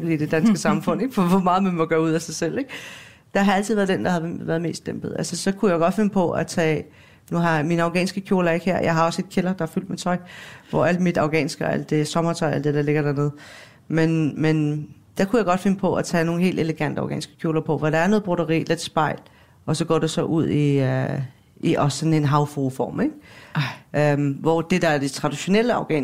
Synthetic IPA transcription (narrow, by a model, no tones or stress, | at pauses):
b̥lid̥e̝d̥ænsɡ̥əsɑ̈mfɔ̽n̰eɡ̥fɒʋɒmɑ̈ːð̩ˠmænmoɡ̥ɶːɐuð̞̰ˠæsɑ̈ɪsel̰e̝ɡ̥ | d̥ɑ̈ɦɑ̈æl̰t͡sʰiðˠæɐðˠd̥end̥ɑ̈ɦɑʋæɐð̞ˠme̝̰ːsd̥enb̥əð̩ˠælsəsɒ̽kʰujaɪoɡ̥ɒ̽d̥fe̝nəpʰɒ̽ʔæt͡sʰɛ̰ː | nuɦɑ̈minəɑʊɡɛ̰ːnsɡ̥əkʰjo̝ːlɐe̝ɡ̥heɐ̰jɑ̈ɪɦɑ̈ɒ̽se̝d̥̚kʰelɐd̥ɑ̈æfyl̰d̥met͡sʰɒ̽ɪʋɒ̰æl̰̥mid̥ɑ̈ʊɡ̥ɛ̰ːnsɡ̥əɒæl̰d̥e̝sɒ̽mɐt͡sʰɒ̽ɪæl̰d̥ed̥æle̝ɡ̥ɐɾæɐne̝ðˠ | menmend̥ɑ̈kʰujɑ̈ɪɡ̥ɒ̽d̥fe̝nəpʰɒ̽ʔæt͡sʰɛ̰ːno̝ːn̩ɦe̝̰ːld̥e̝ləɡ̥æn̰d̥əɑ̈ʊɡɛ̰ːnisɡ̥ə̥kʰjo̝ːlɐpʰɒ̽ʋɒɾ̥ɑ̈æɐno̽ðˠb̥ʁoɾɐʁḭːled̥sb̥ɑ̈ɪ̰l | ʔɒ̽sɒ̽ɡ̥ɒ̰ːd̥esɒ̽ʔuð̞̰ˠi | iʔɒssɒ̽ne̝nɦɑ̈ʊfoːfɒ̰ːmeɡ̥ | ømʋɒd̥e̝d̥ɑ̈æɐd̥e̝t͡sʰʁɑ̈d̥iɕo̝nel̰əɑ̈ʊɡ̥ɛ̰ː